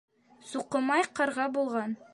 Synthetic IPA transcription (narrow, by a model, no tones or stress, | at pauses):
suqɤ̆mɑjqɑɾʁɑbulˠʁɑn